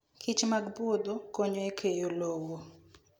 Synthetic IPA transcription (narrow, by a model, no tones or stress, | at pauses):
kʰɪt͡ʃmaɡbod̪okoɲoekʰejolowo